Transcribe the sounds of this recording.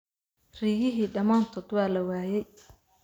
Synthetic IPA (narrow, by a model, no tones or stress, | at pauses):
r̥iːjɪɦiːɖɐmaːnt̪ʰɔːd̪wɑːlɐwaːjɛj